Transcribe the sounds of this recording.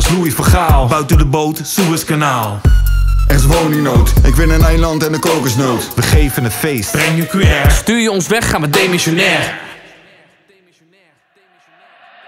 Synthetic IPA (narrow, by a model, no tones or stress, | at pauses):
slujəfɔχaːlˠbœɥtədəbowtsuəskanaːlˠ | ɛsʋowninowtɪkʋɪnənɛjlɑntɛndəkowkəsnowtʋəχejvənəfejstbrɛŋjykɛːɹstyːɹjəɔnsʋɛχaːnʋədemɪsonɛːr